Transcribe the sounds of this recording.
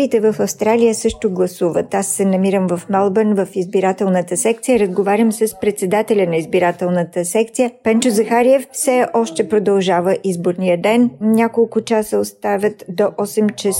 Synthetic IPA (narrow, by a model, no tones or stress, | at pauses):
iːt̪ɛvəfɐfst̪ɾalijəsɤʃt̪ʊɡlˠɐsuvət̪asːɛnɐmiɾəmvɐfmɛlˠbənvəfizbiɾat̪ɛlˠnət̪əsɛk̚t̪sijəɾəzɡovaɾʲəmsəspɾɛt̪sɛd̪at̪ɛlʲənɐizbiɾat̪ɛlˠnət̪əsɛkt̪sijəpɛnt͡ʃozɐxaɾiɛfsɛɔʃt̪ɛpɾod̪ɐlˠʒavəʔizboɾnijəd̪ɛnnʲakolˠkʊt͡ʃasəost̪avʲət̪d̪oʔɔsɛmt͡ʃɛ